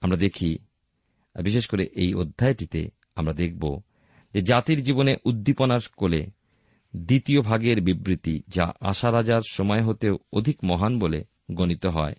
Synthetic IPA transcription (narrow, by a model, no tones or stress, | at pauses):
amɾad̪ekʰi | biʃeʃkoɾeʔejod̪ʱːaeʈit̪ḛ | amɾad̪ek̚ʰbo̰ | d͡ʑed͡ʑat̪iɾd͡ʑiboneʔud̪ːiponaɾkolḛ | d̪it̪iobʱaɡeɾbibɾit̪id͡ʑa̰ʔa̰ʃaɾad͡ʑaɾʃɔmɔeɦot̪eood̪ʱikmɔɦanbole | ɡonit̪oɦɔe